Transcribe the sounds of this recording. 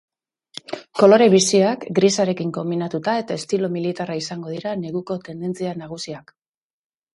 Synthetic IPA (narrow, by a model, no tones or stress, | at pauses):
ko̞lo̞ɾe̞βisiakɡɾisaɾe̞kiŋko̞mbinat̪ut̪ae̞t̪ae̞st̪ilo̞milit̪araisaŋɡo̞ð̞iɾane̞ɣuko̞t̪e̞nd̪e̞nt͡sianaɣ̞usiak